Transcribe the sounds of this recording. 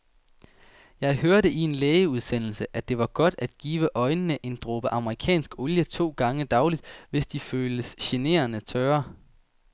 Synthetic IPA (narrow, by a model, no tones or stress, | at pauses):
jɑ̈ɪɦøɐɾəʔie̝nleːɪəuð̞ˠsen̰l̩səʔæd̥e̝ʋɑ̈ɡ̥ɒ̽d̥æd̥ɡ̥iːʋəʔɒ̽ɪnənəʔe̝nd̥ʁɔb̥əʔɑ̈məʁikʰɛ̰ːnsɡ̥ɔ̽ljət͡sʰo̝̰ːɡ̥ɑ̈ŋəd̥ɑ̈ʊlid̥ʋe̝sd̥iføːləsɕe̝ne̝̰ːɐnət͡sʰœːɐ